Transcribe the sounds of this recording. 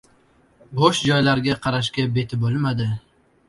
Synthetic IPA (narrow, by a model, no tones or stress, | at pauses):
bɒʃd͡ʒɒjlaɾɡʲaqʰɑɾaʃ̬kʲabe̞t̪ʰɪbolˠmad̪ɪ